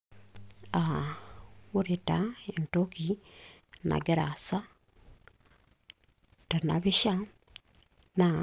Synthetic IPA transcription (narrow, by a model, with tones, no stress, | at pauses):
a˨ | wu˦ɾi˨ta˨˦e˨n˨to˦ki˨ | na̰˨ɡe˦ɾa̰˨sa˦ | ta˨na̰˨bi˦ʃa˦ | na˨